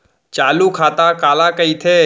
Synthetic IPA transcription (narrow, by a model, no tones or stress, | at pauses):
t͡ʃaːlukʰaːt̪akaːlakəit̪ʰeː